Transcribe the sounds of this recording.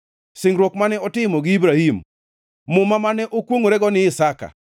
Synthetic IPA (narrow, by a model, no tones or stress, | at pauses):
sɪŋɾwokmanɛɔtɪmɔɡɪibɾahimː | ʊmamanɛʔokwoŋoɾɛɡɔnɪɪsaka̰